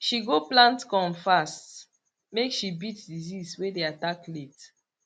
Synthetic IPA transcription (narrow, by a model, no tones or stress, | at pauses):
ʃiɡoplãntkɔ̃mfast | mekʃibitdiziswedeataklet